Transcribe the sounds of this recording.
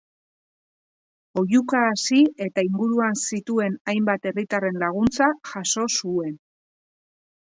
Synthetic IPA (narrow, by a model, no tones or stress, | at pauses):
o̞jukaːsie̞t̪aiŋɡuɾuansit̪ue̞najmbat̪e̞rit̪are̞nlaɣ̞unt͡saʝaso̞sue̞n